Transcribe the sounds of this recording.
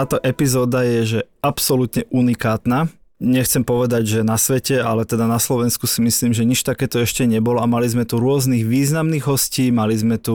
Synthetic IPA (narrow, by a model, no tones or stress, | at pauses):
aːt̪ɔʔɛpizɔːd̪ajɛʒɛ | apsɔlut̪ɲɛʔunikaːt̪naː | ɲɛxt͡sɛmpɔʋɛd̪aɟʒɛnasʋɛcɛalɛt̪ɛd̪anaslɔʋɛnskusimisliːmʒɛɲit͡ʃt̪akɛːt̪ɔɛʃcɛɲɛbɔlɔamalizmɛt̪uɾʊɔzniːɣʋiːznamniːɣɦɔsciːmalizmɛt̪u